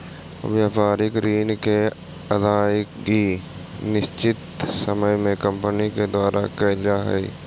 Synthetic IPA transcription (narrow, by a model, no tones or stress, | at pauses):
ʋjaːfaːɾɪkɾiːnke | ɐd̪aːɪkki | nɪst͡ʃɪt̪sɐməjmẽkə̃mpəniked̪waːɾʔakɛlaɦɛ̰